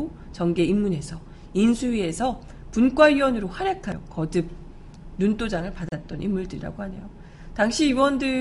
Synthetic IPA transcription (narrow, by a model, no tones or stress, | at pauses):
o | t͡ɕʌŋɡe̞imːune̞sʰʌ | insʰuɥie̞sʰʌ | punk͈waiwʌnɯɾoɸaɾjakʰajʌ̰kʌdɯ | nunt͈od͡ʑaŋɯɭpadat̚t͈ʌnʔḭmːuɭdɯɾiɾa̰ɡoɦhane̞̰jo | taŋɕʰiiwʌndɯ